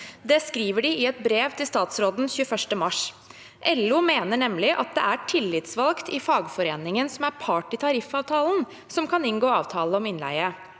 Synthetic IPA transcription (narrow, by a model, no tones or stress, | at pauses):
d̪ɛskɾiːʋəɖɪɪɛt̪̚bɾeːʋt̪ʰɪlst̪ɑːt̪sɾoːd̪n̩çʉːəfœʂʈəmɑʂ | ʔɛlːuːmeːnəɳɛmlɪʔɑt̪̚d̪ɛ̰ʔæʈʰɪlːɪt̪sʋɑlkt̪ɪfɑːɡfɔɾeːnɪŋənsɔmæɾpʰɑːʈɪt̪ʰɑɾɪfɑːʋt̪ʰɑːln̩ | sɔmkʰɑnɪnɡoːɑːʋt̪ʰɑːləɔmɪnlæ̰ɪə